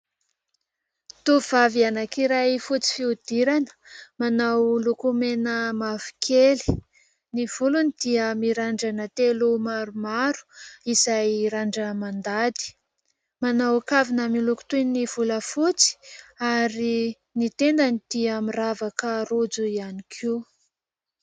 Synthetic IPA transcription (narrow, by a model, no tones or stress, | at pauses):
t̪uv̥avianakiɾajfut͡si̥fiud̪̥iɾanə̥manawlukumenəmavi̥kʰeli̥ | niv̥ulunid̪̥iəmiɾaɳɖ͡ʐanət̪elumaɾumaɾu̥izajɾaɳɖ͡ʐəmand̪ad̪i̥ | manawkavinəmiluku̥t̪univ̥uləfut͡si̥aɾi | nit̪end̪anid̪̥iamiravakəɾud͡zuianikʰi